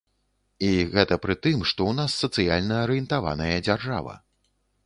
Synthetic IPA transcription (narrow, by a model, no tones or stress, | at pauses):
iɣɛt̪ɐpɾɨt̪ɨmʂt̪ɔwnasːɐt̪sɨjalʲnɐːɾɨjɛnt̪ava̰nɐjɐd͡zʲarʐa̰vɐ̰